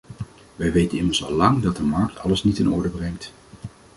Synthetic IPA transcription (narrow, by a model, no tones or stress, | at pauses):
ʋɛjʋejtənɪməɹsɑ̰lɑŋdɑt̚dəmɑɹk̚tʰɑ̰ləsnitɪnɔ̰ɹdəbrɛŋkt